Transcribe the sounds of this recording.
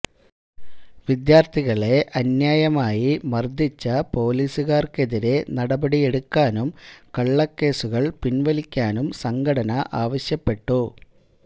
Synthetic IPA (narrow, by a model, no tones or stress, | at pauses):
ʋid̪jaːrt̪ʰiɣɐɭe̞ʔɐnjaːjɐmaːjimɐrd̪ʱit͡ɕːɐpo̞ːliːsuɣaːrke̞ðiɾe̞nɐɽɐbɐɽije̞ɽukːaːnumkɐɭːɐkːe̞ːsuɣɐɭpinʋɐlikʲːaːnumsɐŋɡʱɐɽɐnɐʔaːʋɐɕjɐpːe̞ʈːu